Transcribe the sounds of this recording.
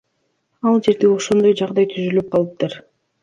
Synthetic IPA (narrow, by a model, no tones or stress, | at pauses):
ɑlˠd͡ʒe̞ɾt̪eβo̞ʃo̞nd̪o̞jd͡ʒɑʁd̪ɑjt̪ʰyzylyp̚qʰɑlˠɯp̚t̪ɯɾ